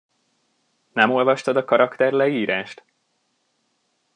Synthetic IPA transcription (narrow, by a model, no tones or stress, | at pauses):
nɛmo̞lvɒʃt̪ɒd̪ɒkɒɾɒkt̪ɛrlɛiːɾaːʃt̪